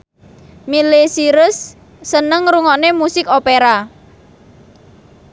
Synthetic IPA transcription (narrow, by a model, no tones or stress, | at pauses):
milesiɾʊsː | ənəŋɾuŋɔnemusɪkopeɾa